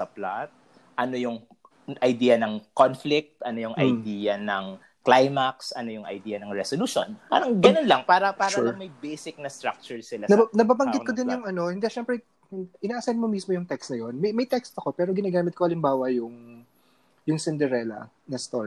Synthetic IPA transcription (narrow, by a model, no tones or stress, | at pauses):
sɐplat̪̚ | ʔɐnojʊŋ | ʔɐjd̪iːjɐnɐŋkonflɪk̚t̪ʔɐnojʊŋʔɐ̰jd̪iːjɐnɐŋ | klajmaksɐnojʊŋʔɐ̰jd̪iːjɐnɐŋɹɛsoluːʃo̰na̰ɾɐŋɡɐnonlɐŋpaːɾɐpaːɾɐmɐjbɛjsɪk̚nɐst̪ɾak̚t͡ʃʊɹsɪlanɐanɐbaːbɐŋɡɪt̪kod̪ɪnjʊŋʔɐno̞hɪnd̪ɛʃɛmpɾɛ | ʔɪnaːʔɐsɛnmomismojʊŋt̪ɛkst̪nɐjo̞nmɐjmɐjt̪ɛkst̪ɐko̞pɛːɾo̞ɡɪnaːɡaːmɪt̪̚koʔɐlɪmbaːwɐjʊŋ | jʊŋsɪnd̪ɛɾɛlɐ̰ | nɐst̪oɹ